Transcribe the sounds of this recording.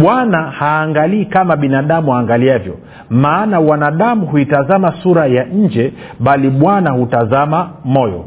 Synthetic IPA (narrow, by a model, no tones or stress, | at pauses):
ɓwanahaːŋɡaliːkamaɓinaɗamuhaːŋɡaliavjɔ̰ | maːnawanaɗamuhuitazamasuɾajaɲ̩d͡ʒɛ | ɓaliɓwanahutazamamɔjɔ̰